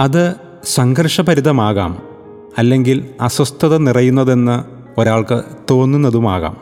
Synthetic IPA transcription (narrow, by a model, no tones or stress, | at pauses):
ɐðɨ | sɐŋɡɐɾʂɐpɐɾiðɐmaːɣa̰ːm | ɐlːe̞ŋɡilɐswɐst̪ʰɐðɐnirɐjunːɐðe̞nːɨ | o̞ɾaːɭkɨt̪o̞ːnːunːɐðuma̰ːɣa̰ːm